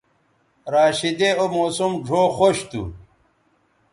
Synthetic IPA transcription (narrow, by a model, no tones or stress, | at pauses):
ɾaːɕid̪eomoːsumʐʱoːxoɕt̪ṵ